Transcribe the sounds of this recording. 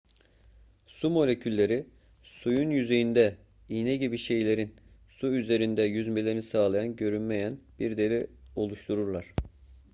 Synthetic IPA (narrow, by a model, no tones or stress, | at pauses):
sumo̞lʲe̞cʰylʲːe̞ɾi | sujunjyze̞jind̪ɛ | inɛɟibiʃe̞jlʲe̞ɾin | suyze̞ɾind̪ɛjyzmelʲeɾinisaːlˠajanɟø̞ɾynmejænb̥iɾd̪elio̞lˠuʃt̪ʰuɾuɾlˠaɾ̥